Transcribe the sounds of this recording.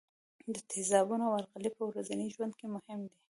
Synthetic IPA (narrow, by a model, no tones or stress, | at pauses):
d̪ət̪ʰɪzɑbunoawaɾɣalipəwɾazaniʒwand̪̚kemʊhɪmd̪i